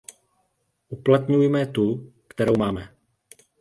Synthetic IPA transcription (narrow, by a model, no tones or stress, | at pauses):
ʔuplat̪ɲujmɛt̪ukt̪ɛɾo̞wmaːmɛ